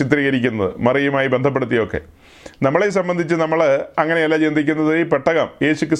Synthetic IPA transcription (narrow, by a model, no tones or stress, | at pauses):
it̪riːɣɐɾikʲːunːɐðɨ̰mɐrijumaːjibend̪ʱɐp̬ːeɽut̪ːijo̞kːe̞̰ | nɐmːɐɭesɐmbɐnd̪ʱit͡ɕːɨnɐmːɐɭɐŋːɐne̞ɐlːat͡ɕind̪ʱikʲːunːɐðɨipeʈːɐɣɐmje̞ːɕukʲːɨ